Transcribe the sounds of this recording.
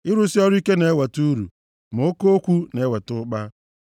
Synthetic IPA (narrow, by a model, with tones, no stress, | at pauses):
ɪ˦ɾu˦si˦ɔ˦ɾʊ˦i˦ke˦ne˨e˦we˨tu˦ɾṵ˨ | mo˨o˦ko˦o˦kʷu˦ne˨˦we˨tʊ˦k͡pa˦